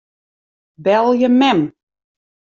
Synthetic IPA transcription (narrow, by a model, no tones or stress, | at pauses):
bɛlˠjəmɛm